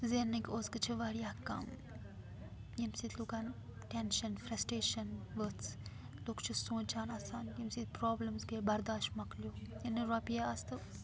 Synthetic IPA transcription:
zenɨkʲoːskɨt͡ʃʰiʋaɽijaːkɐ̰m | jimsit̪ʰluːkanʈenʃɐnfɾɐsʈeːʃɐnʋət͡s | loːkt͡ʃʰusõːt͡ʃaːnaːsaːnjimsit̪pɾoːblɐmsɡebɐɾd̪aːʃʈmɐklijoːjɐnɨɾapiaɐst̪ɨ

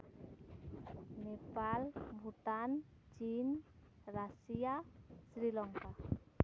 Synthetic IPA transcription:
nepalmbut̪an | d͡ʒin | rasiasɾilɔŋka

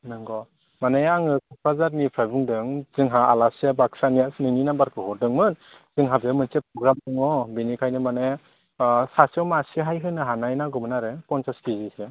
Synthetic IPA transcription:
nɯŋɡɔ | manajaaŋɯkʰupʰazaɾnipʰajbuŋdɯŋzɯŋɦaalasiabak̚saniasnɯŋninabaɾkʰɯɦɔɾdɯŋmɯn | z̥ɯŋɦabeamɯnsepɾɔɡɾamdɯŋɔbinikʰajnɯmanaj | sasiɔwmasiɦajɦɯnɯɦanajnaɡɔmɯnaɾɯkɔnsaskizise

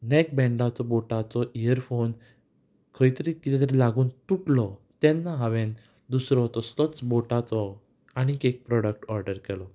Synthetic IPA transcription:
nɛk̚bɛ̃ɳɖat͡sɔboʈat͡sɔʔijəɾfon | kʰəjt̪əɾikit̪ɛt̪ɾilaɡuːnt̪uʈlɔt̪ɛ̃nːaɦaʋẽn | d̪usɾɔɦt̪ɔst̪ɔt͡sboʈat͡sɔ | aɽ̃ikek̚pɾɔɽək̚ʈɔɾɖəɾkɛlɔ

